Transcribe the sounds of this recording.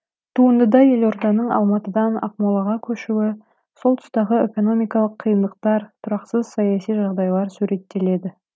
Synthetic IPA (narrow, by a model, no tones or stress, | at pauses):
t̪ʰuənd̪əd̪ɑje̞lo̞ɾd̪ɑnəɴɑ̰lˠmɑt̪əd̪ɑnɑ̰q̚molˠɑʁɑkʲʰɵʃuwɪ | so̞lˠt̪ʰʊ̥st̪ɑʁəe̞ko̞no̞mijkɑlˠəqʰːijənd̪əq̚t̪ɑɾt̪ʰʊɾɑqsəz̥sɑjɑsijʒɑʁd̪ɑjlˠɑɾsuɾe̞t̪ːe̞le̞d̪ɪ